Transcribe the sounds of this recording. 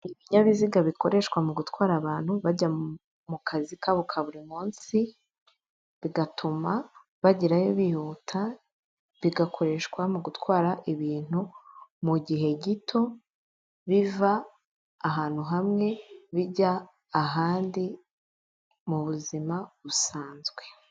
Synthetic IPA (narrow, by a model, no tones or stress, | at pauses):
iβiɲaβiziɡaβiko̞ɾe̞ʃkwamuɡutwaːɾaβaːn̥huβaɟa | mukʰazikʰaβukʰaβuɾimuːnsi | βiɡatʰuma | βaɟiɾajoβihutʰa | βiɡakʰo̞ɾe̞ʃkwamuɡutwaːɾaʔiβiːn̥humuɟiɦe̞ɟitʰo̞ | βivaː | ɦaːn̥huɦamŋe̞βiɟaː | ɦaːndi | muβuzimaβusaːnzɡwe̞